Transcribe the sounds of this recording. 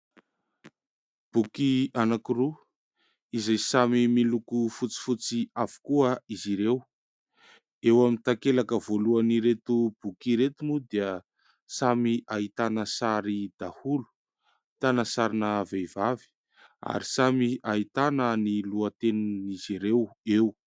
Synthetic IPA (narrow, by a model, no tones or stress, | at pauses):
b̥ukianakiru | izajsamimilukufut͡si̥fut͡siav̥u̥kuəiziɾew | ewamint̪akelakəvoluaniɾet̪ub̥ukiɾet̪umud̪eə | samiʔaɦit̪anəsaɾid̪ahulu̥ | t̪anəsaɾinəvejvavi̥ | a̰ɾisamiaɦit̪anəniluət̪enuniziɾewew